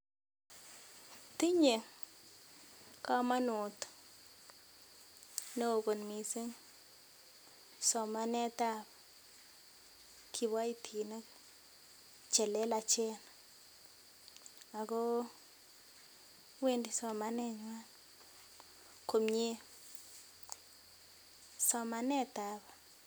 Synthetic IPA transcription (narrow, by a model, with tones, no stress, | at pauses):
ti˦ɲe˨ | ka˦ma˦nʊ˨t | ne˦o˨ko˨nmi˨se˦ŋ˨ | sɔ˨ma˦nɛ˦ta˦p | kʰi˨ba˦i˦tʰi˨ne˦ | t͡ʃɛ˨lɛ˦la˨t͡ʃɛ˦na | a˨ko˦ | we˦ndi˨˦sɔ˨ma˦nɛ˦ɲwa˦n | ko˨mɲe˦ | sɔ˨ma˦nɛ˦t̪a˨ba˨